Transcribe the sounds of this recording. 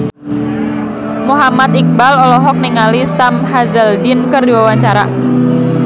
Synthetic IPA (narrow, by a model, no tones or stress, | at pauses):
muɦamat̪ik̚balɔlɔɦɔk̚niŋalisamhazəldɪnkərdiwawaɲt͡ʃaɾa̰